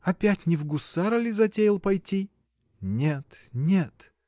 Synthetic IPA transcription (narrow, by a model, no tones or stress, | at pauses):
ɐpʲætʲnʲɪvɡʊsaɾəlʲɪzɐtʲejɪlˠpɐjtʲi | nʲet̪nʲet̪